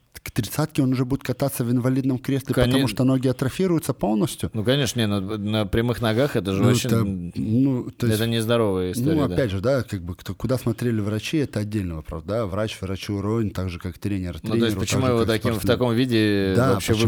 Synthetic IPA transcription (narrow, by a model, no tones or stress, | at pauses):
kt̪ɾʲɪt̪sat̪kʲɪo̞nʊʐɛbudʲɪt̪kɐt̪at̪sːəvɪnvɐlʲid̪nəmkɾʲeslʲɪpəɐmuʂt̪ono̞ɡʲɪɐt̪ɾɐfʲiɾʊjʊt̪səpo̞lˠnəsʲtʲjʊnukɐnʲeʂnənʲenonəpɾʲɪmɨxnɐɡaxɛt̪əʐɨouənut̪ojɪɛt̪ənʲɪzd̪ɐɾo̞vɨjəɪstnouɐpʲædʲʐɨd̪akaɡ̚bɨkt̪okʊd̪asmɐt̪ɾʲelʲɪvrɐt͡ɕiɛt̪əɐdʲːelʲnəvəpɾa̰vd̪avɾat͡ɕvrɐt͡ɕuɾovʲɪnt̪aɡʐɨkakt̪ɾʲenʲɪrtnɾenosʲɪɾʊpətt͡ɕ̪ɪmuɪvot̪ɐkʲimft̪ɐko̞mvʲidʲɪd̪avɐpɕːev